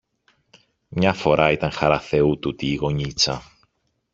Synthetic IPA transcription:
mɲɐfo̞ɾʔɐit̪ɐŋxɐɾɐθe̞ut̪ut̪iːɣo̞ɲit͡sɐ

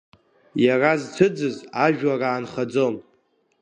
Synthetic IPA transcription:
jarazt͡sʰɨd͡zɨzaʒᶣaraːnχad͡zom

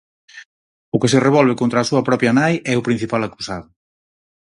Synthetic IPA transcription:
ʊkesereβ̞ɔlβ̞ekont̪ɾaːsuɐpɾɔpjɐnajɛʊpɾin̟θipalakusaðʊ

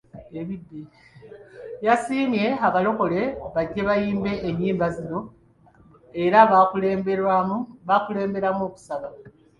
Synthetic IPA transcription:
e̞βidːi | jasiːmje̞aβalo̞ko̞le̞βaɟːeβajiːmbe̞ʔːɲːiːmbazino̞ | e̞ɾaβakuleːmeɾwamuβakule̞ːmbe̞ɾamoːku̥saβa

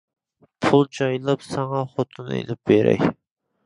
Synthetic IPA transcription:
pʰulˠd͡ʒɑjlˠɑpsɑŋɑχot̪ʰunḛlɪp̚beɾɛ̰jʲ

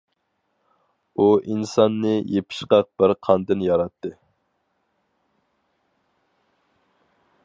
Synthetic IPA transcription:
uʔinsɑnːɨjepʰɪ̥ʃqɑq̚b̥ɪɾqʰɑnd̪ɨnjɑɾɑt̪ʰːɨ

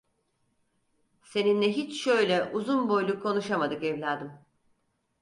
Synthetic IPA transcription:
se̞ninlʲɛɦit͡ʃʃø̞jlʲɛʔuzunbo̞jlʲˠukʰːo̞nuʃamad̪ɯkɛvlʲaːd̪ɯm

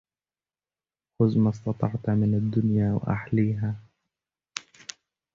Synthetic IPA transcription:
xʊzmɑs̬t̪ɑt̪ˤɑʕt̪mɪnad̪ːʊnjaːwa̰ʔa̰ħliːɦaː

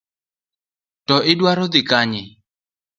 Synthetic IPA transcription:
tɔʔɪdwaɾɔd̪ikaɲɪ

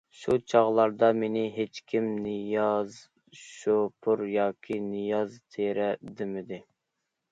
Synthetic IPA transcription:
ʃut͡ʃʰɑʁlˠɑɾd̪ɑmenɪɦet͡ʃkʲʰimnɨjɑz | ʃopʰuɾjɑːkʲʰinɨjɑzt̪ʰeɾɛd̪ɪmɪd̪ɪ

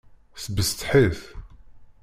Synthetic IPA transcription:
sbəst̪ħiθ

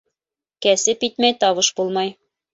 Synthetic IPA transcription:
kæsɘpit̪mæjt̪ɒβɤʃbulˠmɑj

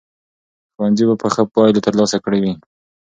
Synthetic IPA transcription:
xʊwanzibapəxəpɑjlot̪əɾlɑsakɽewi

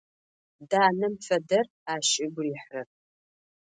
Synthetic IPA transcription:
daːnɐmfɐdɐr | aːʃʼɪɡʷʊriːħrɐ

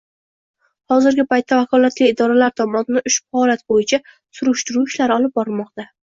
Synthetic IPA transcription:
hɒzɪɾɡʲɪpajt̪ʰːavakʰɒlat̪lɪːd̪ɒɾalaɾt̪ʰɒmɒnɪnɪʔʊʃpɒlat̪bojɪt͡ʃʰa | sʊɾʊʃt̪ʊɾuɪʃlaɾɒlˠɪp̚bɒɾmɒqt̪a

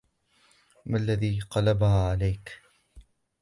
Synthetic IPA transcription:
malːaðiːqɑlabahaːʕalajk

